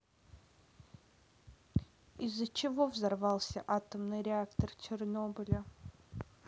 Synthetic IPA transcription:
ɪzːət͡ɕɪvovzɐrvɑlˠsʲəʔat̪əmnɨjɾʲɪakt̪ərt͡ɕɪrnobʲɪlʲə

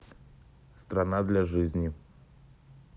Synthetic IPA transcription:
st̪ɾanad̪lʲɐʐɨzʲnʲi

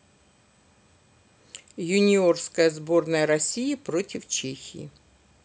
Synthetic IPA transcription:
jʊnʲɪo̞rskəjəzbo̞rnəjəɾɐsʲijəpɾo̞tʲɪft͡ɕexʲɪ̰ɪ̰

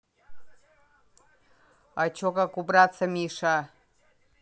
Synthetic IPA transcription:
at͡ʃʰokakubrat͡sʰamiʂa

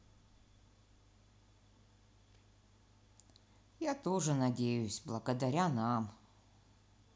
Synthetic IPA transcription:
jat̪oʐɨnɐdʲejʉsʲblˠəɡəd̪ɐɾʲanam

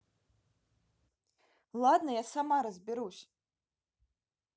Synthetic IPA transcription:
lˠad̪nɐjasamaɾɐzʲbʲiɾusʲ

